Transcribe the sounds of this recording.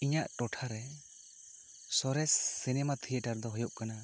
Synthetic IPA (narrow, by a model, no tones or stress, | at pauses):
iɲaʔʈɔʈʰaɾɛ | sɔɾɛsːɛnɛmat̪ʰijɛʈaɾd̪ɔɦɔjɔʔkana